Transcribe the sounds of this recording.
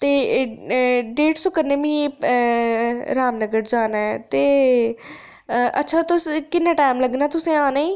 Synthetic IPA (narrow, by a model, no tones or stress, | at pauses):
t̪eː | ɖeːʈsʊkəɾnẽːʋĩː | ɾaːmnəɡəʈd͡ʒaːnaːɛt̪eː | ʔətːʃʰaːt̪ʊskɪnːãːʈaːɪmləɡnaːt̪ʊsẽːãːnaːĩː